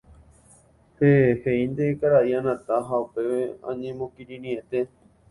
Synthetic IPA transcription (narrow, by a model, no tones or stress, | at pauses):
heheind̪ekaɾaʔiãnãt̪aɦaupe̞ʋeã̰ɲẽmõkiɾĩnĩẽt̪e̞